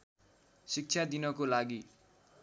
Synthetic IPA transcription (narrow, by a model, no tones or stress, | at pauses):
sik̚t͡sʰad̪inʌkolaɡi